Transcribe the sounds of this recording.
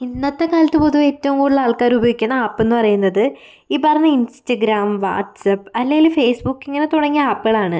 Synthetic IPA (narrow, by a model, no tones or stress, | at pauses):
inːɐt̪ːekaːlɐt̪ːɨpoðuʋe̞tːɐʋuŋkuːɽuɭːɐaːɭkaːɾubɐʋikʲːunːɐaːpːe̞nːɨpɐrɐjunːɐðɨ | iːpɐrɐɲːɐinstɐɡɾaːmʋa̰ːʈsɐpːɐlːeŋɡilfe̞ːsbukːeŋːɐne̞t̪uɽɐŋːiaːpːɨɣɐɭaːɳɨ